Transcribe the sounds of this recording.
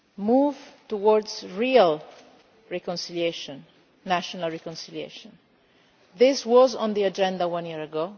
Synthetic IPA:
muvtuwɔɹdzɹial | ɹɛkɔ̃nsilieʃɔ̃nː | aʃɔnalɹɛkɔ̃nsiliḛʃɔ̃n | ðɪswɔzɔ̃nðiad͡ʒɛ̃nd̪awãnjiəɹaɡo

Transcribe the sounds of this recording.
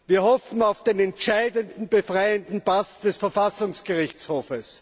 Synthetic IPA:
viːɐɦɔfn̩aʊfd̥eːnɛntʃaɪdəndn̩b̥əfʁaɪəndn̩pasd̥ɛsfɛɐfasʊŋsɡ̥əʁɪçt͡shoːfəs

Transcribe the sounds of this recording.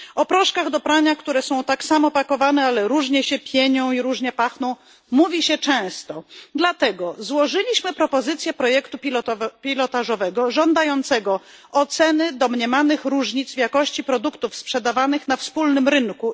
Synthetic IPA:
ɔpɾɔʂkaɣd̪ɔpɾaɲakt̪uɾɛsɔ̃w̃t̪aksamɔpakɔvanɛalɛɾuʐɲɛɕɛpʲjɛɲɔ̃w̃iɾuʐɲɛpaxnɔ̃w̃ | muvʲiɕɛt͡ʂɛ̃w̃st̪ɔd̪lat̪ɛɡɔzwɔʐɘlʲiɕmɘpɾɔpɔzɘt̪sʲjɛpɾɔjɛkt̪upʲpʲilɔt̪aʐɔvɛɡɔʐɔnd̪ajɔnt̪sɛɡɔ | ɔt̪sɛnɘd̪ɔmɲɛmanɘxɾuʐɲit̪zvʲjakɔɕt͡ɕipɾɔd̪ukt̪ufspʂɛd̪avanɘxn̪afspulnɘmɾɘŋku

